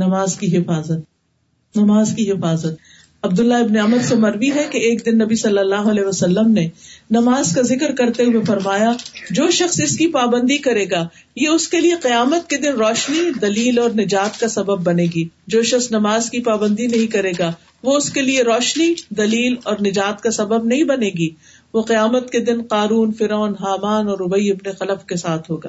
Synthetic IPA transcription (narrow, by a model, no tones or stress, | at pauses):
nɐmaːzkiɦɪfaːzət̪̚ | nɐmaːzkiɦɪfaːzət̪̚ | ɐb̚d̪ʊlːaɪbneɐməd̪semɐɾʋiɦɛkeeːk̚d̪ɪnːɐbisɐlːəlːaːɦoɐlɛːɦʋɐsɐlːəmnenɐmaːzkazɪkɾkɐɾt̪eɦuefɐɾmaːjad͡ʒoːʃɐxsɪskipaːbə̃nd̪ikɐɾeːɡaː | jeʊskelieqɪjaːmət̪̚ked̪ɪnɾɔːʃnid̪ɐliːlɔːɾnɪd͡ʒaːt̪kasɐbəbːɐneːɡiːd͡ʒoːʃɐxsnɐmaːzkipaːbə̃nd̪inɐɦĩkɐɾeːɡaː | ʋoʊskelieɾɔːʃnid̪ɐliːlɔːɾnɪd͡ʒaːt̪kasɐbəbnɐɦĩbɐneːɡiː | ʋoqijaːmət̪̚ked̪ɪnqaːɾuːnfɪɾɔːnɦaːmaːnɔːɾʊbəiɪbneqɐləfkesaːt̪ʰɦoːɡa̰ː